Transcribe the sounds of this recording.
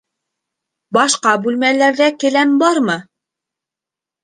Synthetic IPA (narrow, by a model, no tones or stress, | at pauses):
bɑʃqɑbʉlmælæɾðækɘ̆lænbɑɾmɤ